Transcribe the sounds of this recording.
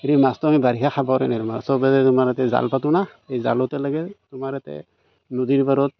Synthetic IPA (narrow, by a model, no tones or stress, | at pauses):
eɾimastɔamibaɾikʰaxʰabaɾɛnaɾɔmasɔbɛtɛtʊmaɾɛtɛza̰lpatunaejza̰lɔtɛlaɡɛtʊmaɾɛtɛ̰ | nodiɾbaɾɔt̚